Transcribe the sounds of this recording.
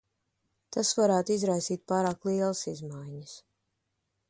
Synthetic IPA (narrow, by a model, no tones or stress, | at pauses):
t̪asvaɾæːt̪uizɾajsiːt̪̚paːɾaːklˠiɛlˠasizmajɲəs